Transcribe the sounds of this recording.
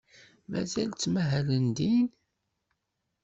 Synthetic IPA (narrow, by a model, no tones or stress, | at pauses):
mæ̰zælt͡sːmæɦælənd̪in